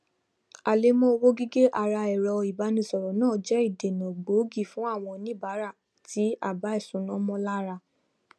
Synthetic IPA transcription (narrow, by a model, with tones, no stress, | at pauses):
a˨le˨˦mɔ̃˦o˧wo˦ɡi˦ɡe˦ʔa˧˨ɾa˧ɛ˨ɾɔ˧i˨ba˨˦nĩ˧sɔ˨ɾɔ˨nãː˦˨d͡ʒɛ˦i˦˨de˨nã˨ɡ͡bo˨˦ɡi˦˨fũ˨˦a˦˨w̃ɔ̃˧nĩ˦ba˨˦ɾa˦˨ | tʰi˨˦a˦˨ba˨˦ɛ˦˨sũ˨˦nɔ̃˦mɔ̃˦la˦ɾa˧